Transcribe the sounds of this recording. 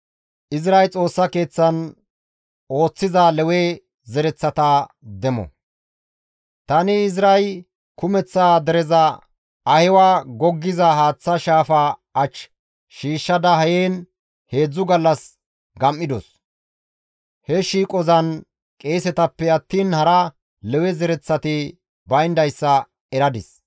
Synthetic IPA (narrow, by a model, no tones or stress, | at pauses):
ʔɪzɾɐjt͡sʼo̞ːsːɐke̞ːt͡sːɐn | o̞ːt͡sːɪzalɛweː | zɛɾɛt͡sːɐt̪ad̪ɛmɔ̰ | t̪ɐnɪɪzɾɐj | kʊmɛt͡sːaːd̪ɛɾɛzɐ | ɐhɪwaːɡɔɡːɪzɐhaːt͡sːɐʃaːfaːɐt͡ʃː | ʃiːʃːɐd̪ɐɦɐjeːn | he̞ːd͡zːʊɡɐlːɐs | ɡɐmʔɪd̪ɔ̰s | hɛʃiːkʼɔzɐn | kʼe̞ːsɛt̪ɐpːɛɐt̪ːiːnhɐɾɐ | lɛwɛzɛɾɛt͡sːɐt̪ɪ | bɐjnd̪ɐjsːɐ | ɛɾɐd̪ɪs